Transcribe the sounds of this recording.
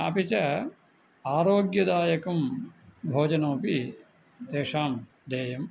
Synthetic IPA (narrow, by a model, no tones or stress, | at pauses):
ɐ̰pit͡ʃɐ | aːɾoːɡjɐd̪aːjɐkɐmbʱoːd͡ʒɐnoːpi | t̪eːʂaːm | d̪eːjɐm